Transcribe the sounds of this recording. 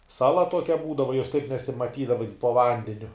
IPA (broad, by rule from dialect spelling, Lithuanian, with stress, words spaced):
ˈsɑːlˠɐ ˈtoːkʲɛ ˈbuːdɐʋɐ joːs tɐɪp nʲɛsʲɪmɐˈtʲiːdɐʋɐ jɪn poː ˈʋɐnʲdʲɛnʲʊ